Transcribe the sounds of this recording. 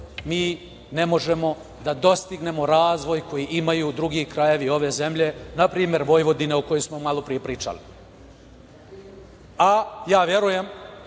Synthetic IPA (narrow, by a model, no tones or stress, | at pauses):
miː | nemo̞ʒe̞mo̞ | d̪ad̪o̞st̪iɡne̞mo̞ɾaːzʋo̞jko̞jiʔimajuːd̪ɾuɡikɾaje̞ʋio̞ʋe̞ze̞mʎe̞napɾiːme̞ɾʋo̞jʋo̞d̪ineoko̞josmo̞malˠopɾijepɾiːt͡ʂa̰li | ajaːʋje̞ɾuje̞m